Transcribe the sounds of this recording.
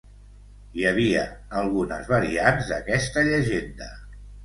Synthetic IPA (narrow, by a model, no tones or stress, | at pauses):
jəβ̞iəːlˠɣunə̰zβəɾianzd̪əkɛst̪əʎəʒend̪ə